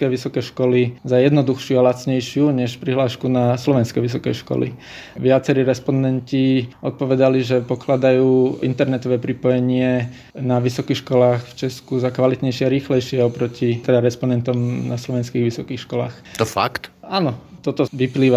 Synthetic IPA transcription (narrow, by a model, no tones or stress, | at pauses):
kɛʋisɔkɛːʃkɔlizajɛd̪nɔd̪uxʃɪualat͡sɲɛjʃɪuɲɛʃpɾiɦlaːʃkunaslɔʋɛnskɛjʋis̬ɔkɛjʃkɔ̰lḭ | ʋɪat͡sɛɾiɾɛspɔnd̪ɛnciɔt̪̚pɔʋɛd̪aliʒɛpɔklad̪ajuːint̪ɛɾnɛt̪ɔʋɛːpɾipɔjɛɲɪɛ | naʋisɔkiːxʃkɔlaːxft͡ʃɛskuzakʋalit̪ɲɛjʃɪɛaɾiːxlɛjʃɪɛɔpɾɔcit̪ɛd̪aɾɛspɔnd̪ɛnt̪ɔmnaslɔʋɛnskiːɣʋisɔkiːxʃkɔla̰ːxt̪ɔfa̰kt̪anɔt̪ɔt̪ɔʋipliːʋa